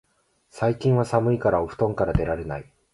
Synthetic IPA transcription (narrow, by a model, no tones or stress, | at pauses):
saikʲĩɰ̃βasamɯ̟ikaɾaoɸɯ̟̥t̪õ̞ŋkaɾad̪e̞ɾaɾe̞na̰i